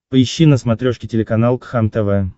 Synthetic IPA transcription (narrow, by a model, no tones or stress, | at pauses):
pəɪɕːinəsmɐt̪ɾʲoʂkʲɪtʲɪlʲɪkɐnalˠkxamt̪ɛvɛ